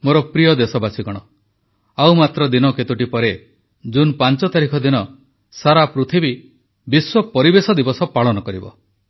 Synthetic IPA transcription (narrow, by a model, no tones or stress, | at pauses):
moɾɔpɾijɔd̪esɔbasiɡɔɽ̃ɔ | awmat̪ɾɔd̪inɔket̪uʈipɔɾe | d͡ʒunpant͡ʃɔt̪aɾikʰɔd̪inɔ | saɾapɾut̪ʰibi | biswɔpɔɾibesɔd̪ibɔsɔpaɭɔnɔkɔɾibɔ̰